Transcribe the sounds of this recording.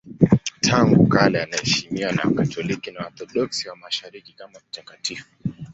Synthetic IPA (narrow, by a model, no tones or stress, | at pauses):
tʰaŋɡukalɛanahɛʃimiwana̰katɔlikinaɔɾθɔɗɔksiwamaʃaɾikikamam̩takatifu